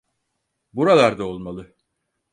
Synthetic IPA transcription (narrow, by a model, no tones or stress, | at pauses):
buɾalˠaɾd̪aolˠmalˠɯ